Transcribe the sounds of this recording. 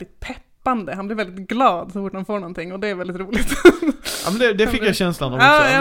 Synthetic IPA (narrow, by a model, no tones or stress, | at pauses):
ɪt̪̚pʰɛpːand̪əɦanblɪɾvɛld̪ɪt̪ɡlɑːd̪sɔfʊʈːhanfoːɳɔnt̪ʰɪŋːɔd̪ɛːɾvɛlɪt̪ɾuːlɪɡt̪a̰mɛnd̪ɛd̪ɛfɪkjaɕɛnslanɔɑː